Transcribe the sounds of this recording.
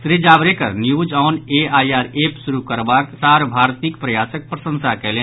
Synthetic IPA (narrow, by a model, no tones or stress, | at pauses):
sɾid͡ʒaːbɾekəɾnjud͡ʒɔːneaːjaːɾeːpsuɾukəɾbaːksaːɾbʱaːɾt̪ikpɾəjaːsək̚pɾəsə̃nsakɛɦlẽ